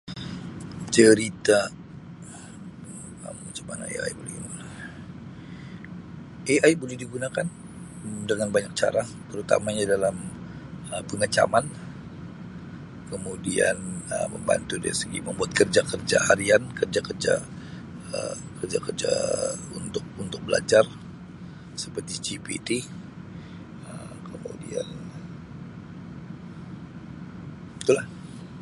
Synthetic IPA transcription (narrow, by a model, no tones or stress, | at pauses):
t͡ʃəɾit̪a | əmŋat͡ʃḁmana̰ḛa̰jbolɛhiɡuna | ʔeajbolɛhdiɡunakan | dəŋanbaɲak̚t͡ʃa̰ɾat̪əɾut̪a̰maɲadalam | əpəŋət͡ʃa̰man | kəmudia̰nəməmba̰nt̪udḛisəɡḭməmbuat̪̚kərd͡ʒakərd͡ʒa̰ʔaɾiankərd͡ʒakərd͡ʒa̰ | əkərd͡ʒakərd͡ʒa̰unt̪ʊk̚unt̪ʊk̚bəla̰d͡ʒar | səpərt̪id͡ʒipḭt̪i | ə | kʰəmṵdia̰n | it̪ulah